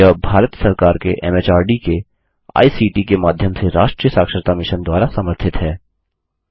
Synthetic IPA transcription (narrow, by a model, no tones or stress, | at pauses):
əbʱaːɾət̪sɐɾkaːɾkeʔɛmeːt͡ʃaːɾɖike | a̰ːisiːʈikemaːd̪ʱjəmseɾaːʃʈɾijəsaːkʃəɾt̪amɪʃənd̪waːɾasɐməɾt̪ʰɪt̪ɦɛː